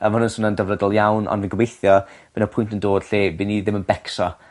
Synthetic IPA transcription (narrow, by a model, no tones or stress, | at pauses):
əmʊnənsʊnandəvnədɔlˠjawnʔɔ̰nvɪnɡəwejθjɔb̥ɛnɔpʰʊjntəndoːd̥ɬeːbiniðɪmənbɛksɔ